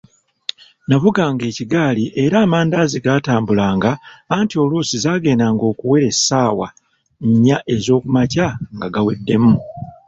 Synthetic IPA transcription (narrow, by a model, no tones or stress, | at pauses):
navuɡaːŋɡe̞ːciɡaːliʔe̞ɾaːmaːndaːziɡaːtaːmbulaːŋɡaːntio̞luːsizaːɡe̞ːnaːŋɡo̞ːkuwe̞ɾe̞saːwa̰ | ɲːaʔe̞zo̞ːkumacaŋɡaɡawḛdːe̞mu